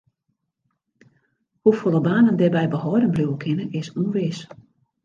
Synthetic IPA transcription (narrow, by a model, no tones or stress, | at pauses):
hufolˠəbaːnəndɛbɛjbəhɔjdənbruwəkʰɪnəɪsunʋɪs